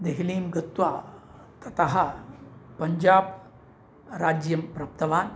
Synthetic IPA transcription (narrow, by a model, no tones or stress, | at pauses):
d̪eɦiliːmɡɐt̪ʋaː | t̪ɐt̪ɐɦɐ | pɐɲd͡ʒaːb | ɾaːd͡ʒjɐmpɾɐp̚t̪ɐʋaːn